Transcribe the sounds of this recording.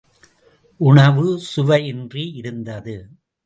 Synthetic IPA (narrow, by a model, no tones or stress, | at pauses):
ʔʊɳɐʋɯsʊʋɐɪɪndriʔɪɾɯnd̪ɐðɯ